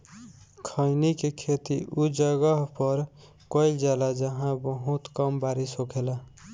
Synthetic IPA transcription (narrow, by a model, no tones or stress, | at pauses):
kʰəɪnikekʰet̪iʔud͡ʒəɡəɦpəɾ | kəɪld͡ʒalad͡ʒəɦãbəɦut̪kəmbaɾisɦokʰela